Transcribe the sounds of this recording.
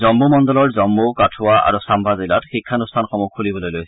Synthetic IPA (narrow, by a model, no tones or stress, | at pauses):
zɔmːumɔndɔlɔɹzɔmːukatʰʊwaʔa̰ɹusambʱazila̰txikʰːanustʰanxɔmukʰulibɔlojlojsɛ